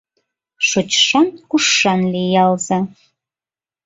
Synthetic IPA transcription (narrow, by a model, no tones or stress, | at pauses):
ʃot͡ɕʃɑnkuʂːɑnlejɑlˠzɑ